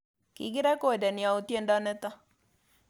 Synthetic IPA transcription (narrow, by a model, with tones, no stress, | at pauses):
kḭ˨ɡɪ˦ɾɛ˦ko˨dɛ˨ni˨a˨u˨t̪je˦nda˦nɛ˦t̪a˦